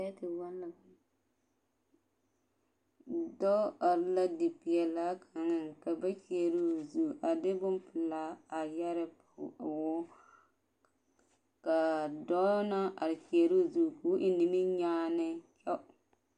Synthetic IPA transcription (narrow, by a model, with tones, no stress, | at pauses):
ɛ˦tɪ˨wa˦nːa˨ba˦ | dɔ˦a˨ɾɪ˦la˦di˨pɪ˨jɛ˨la˦kʰa˨ŋɪ˨ka˨ba˦t͡ʃi˨e˨ɾu˦zu˨ʔa˨dɪ˦bʊ˦mpɪ˨la˦a˨ja˦ɾɪ˦pwʊ˦ | ka˨dɔ˦na˦ʔa̰˨ɾɪ˨t͡ʃi˨e˨ɾu˦˨zu˨ku˦ʔɪ˨ni˨mi˦ɲaː˦nɪ˦t͡ʃɛ˦